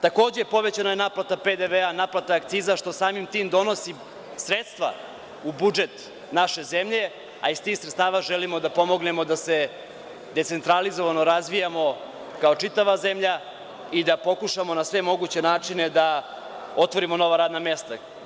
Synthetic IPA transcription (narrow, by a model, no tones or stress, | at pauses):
t̪ako̞ːd͡ʑepo̞ʋe̞t͡ɕanajenaplat̪aped̪eʋeanaplˠat̪aːkt̪siːzaʃt̪o̞saːmimt̪iːmd̪o̞no̞si | sɾet̪st̪ʋa̰ | ubud͡ʒe̞t̪ | naʃe̞zemʎe̞ | a̰ist̪ixsɾet̪st̪aːʋaʒelimo̞d̪apo̞mo̞ɡne̞mod̪ase | d̪e̞t̪se̞nt̪ɾalizoʋanoɾazʋijamo̞ | kaot͡ʂit̪aʋaze̞mʎa | id̪apo̞kuʃamo̞nasʋemo̞ɡut͡ɕe̞naːt͡ʂine̞d̪a | o̞t̪ʋo̞ɾimo̞no̞ʋaɾaːd̪name̞st̪a